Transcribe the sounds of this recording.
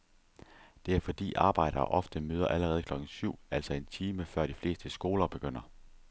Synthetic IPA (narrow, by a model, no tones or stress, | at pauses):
d̥e̝æɐfɒ̽d̥ḭːʔɑ̈ːb̥ɑ̈ɪ̰ɾ̥ɐːʔɒ̽fd̥əmøːð̞ˠɐʔæləʁɛːð̞̩ˠkʰlɒ̽ɡ̥n̩syʊ̰æl̰sɒe̝nt͡sʰiːməfɶɐ̰ɾ̥ifle̝̰ːsd̥əsɡ̥o̝ːlɐb̥e̝ɡ̥øn̰ɐ